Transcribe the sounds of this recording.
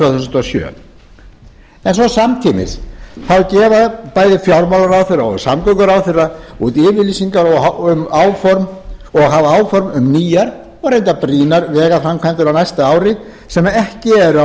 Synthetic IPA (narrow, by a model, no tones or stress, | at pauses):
t̪vœːθusnt̪ɔsjœ̰ː | ɛnsɔsamt̪ʰiːmɪ̰sθawcɛːvapaːjðɪfjawɾmawlaɾawθɪrːaɔɣsamkœkʏɾawθɪrːaut̪ɪːvɪlisiŋkaɾɔʏmaːwfɔɾmɔɣɦavaaːwfɔɾmʏmniːjaɾ̥ | ɔɣɾejnt̪apɾiːnaɾvɛːɣafɾamkʰvant̪ɪɾawnajst̪aaːwɾɪ | sɛmːaɛhcɪɛɾa